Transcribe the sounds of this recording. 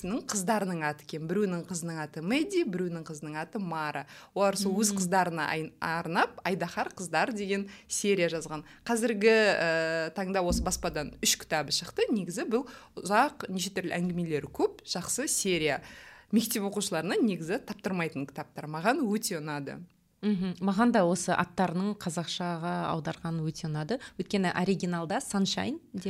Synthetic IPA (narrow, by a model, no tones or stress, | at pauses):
snəɴqʰəzd̪ɑɾənəɴɑt̪əe̥kʲe̞nbɪɾewnɪŋqʰəzənəɴɑt̪əmed̪ʲijbɪɾewnɪɴqʰəzənəɴɑt̪əmɑɾʔəwolˠɑɾsolˠwɵzqʰəzd̪ɑɾənɑɑɾnɑp̚ɑjd̪ɑχɑɾqʰəzd̪ɑɾd̪e̞ɡʲe̞nsʲe̞ɾʲijaʒɑzʁɑn | qʰɑzɪɾɡʲɪət̪ʰɑɴd̪ɑwo̞səbɑspɑd̪ɑnʏʃkʲʰɪ̥t̪ɑbəʃəqt̪əne̞ɡʲɪzɪbʊlˠʊzɑqneʃet̪ʏɾlɪ̰æŋɡʲɪme̞le̞ɾɪkʲʰɵp̚ʒ̥ɑqsəsʲe̞ɾʲijame̞k̚t̪e̞pwo̞quʃəlˠɑɾənɑne̞ɡʲɪzɪt̪ʰɑp̚t̪əɾmɑjt̪əŋkʲʰɪ̥t̪ɑp̚t̪ɑɾmɑʁɑnwɵt̪e̞ʊnɑd̪ə̰ | m̩ɦm̩mɑʁɑnd̪ɑwo̞səʔɑ̰t̪ːɑɾənəɴqʰɑzɑqʃɑʁɑɑ̰wd̪ɑɾʁɑnənwɵt̪ʰe̞ʊnɑd̪əwɵjt̪̚kʲe̞nɪʔoɾiɡʲinalˠd̪ɑsanʃɑ̰jnd̪e